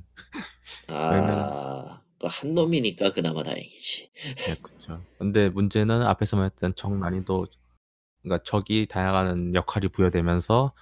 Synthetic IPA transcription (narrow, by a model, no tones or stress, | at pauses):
awemʌn | kʌhanːomiɲik͈akɯnama̰ta̰jḛŋid͡ʑi̥je̞kɯ̥t͡ɕʰokɯnde̞mund͡ʑe̞nɯna̰pʰe̞sʰʌmaett͈ent͡ɕʌŋmaɲido | k͈at͡ɕʌɡitajaŋanɯnjʌkʰaɾipujʌdwe̞mjʌnsʰʌ